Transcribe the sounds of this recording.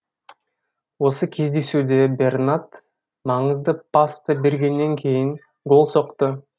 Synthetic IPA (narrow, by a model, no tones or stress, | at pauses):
wo̞səkʲʰezd̪esuːd̪e̞be̞rnat̪ | mɑɴəzd̪əpast̪əbeɾɡʲe̞nːe̞ŋkʲʰe̞jɪŋ | ɡo̞lˠso̞qt̪ə